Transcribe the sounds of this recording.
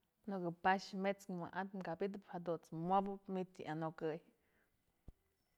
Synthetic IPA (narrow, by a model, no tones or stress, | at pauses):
nokɨpaʃmet͡smʷa̰ʔat̪mkabid̪̬ɨphad̪ut͡smʷabɨpmit̪ḭʔanokɨj